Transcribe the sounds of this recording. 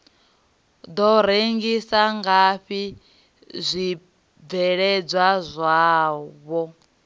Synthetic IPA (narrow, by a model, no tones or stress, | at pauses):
d̪ɔɾeŋɡisaŋɡaɸi | zʷi | b̪vɛɺɛd͡zwazʷaːβɔ